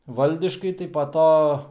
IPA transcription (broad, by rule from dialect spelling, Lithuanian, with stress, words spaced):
ˈʋɐlʲdʲɪʃkɐɪ tɐɪ pɐ ˈtoː